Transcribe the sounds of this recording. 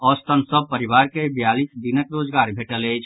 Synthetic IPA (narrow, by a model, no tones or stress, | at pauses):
ɔst̪ənsəb̚pəɾiʋaɾkebijalisd̪inəkɾoːd͡ʒɡaɾbʱeʈələjt͡ʃʰ